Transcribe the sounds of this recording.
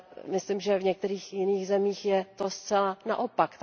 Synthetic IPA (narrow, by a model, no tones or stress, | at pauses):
mɪslimʒɛvɲɛk̚t̪ɛɾiːxjɪniːɣzɛmiːxjɛt̪ost͡sɛlana̰ʔo̞pakt̪